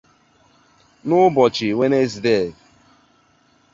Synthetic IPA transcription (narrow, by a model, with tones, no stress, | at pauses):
nʊ˦bɔ˨t͡ʃɪ˨we˦ne˦zi˨de˦˨